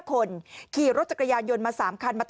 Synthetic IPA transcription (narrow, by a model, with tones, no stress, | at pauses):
kʰo˧nkʰiː˨˩ɾo˦˥t̪̚t͡ɕa˨˩kːjaː˧njo˧nmaː˧saː˩˦mkʰa˧nmaː˧t̪